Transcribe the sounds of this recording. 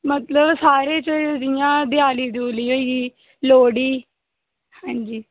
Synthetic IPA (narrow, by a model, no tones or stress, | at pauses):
mət̪ləbsaːɾeːt͡ʃəd͡ʒɪjãːd̪ɪaːliːd̪uːliːɦoːiiː | loːɽiː | hãːɲd͡ʒiː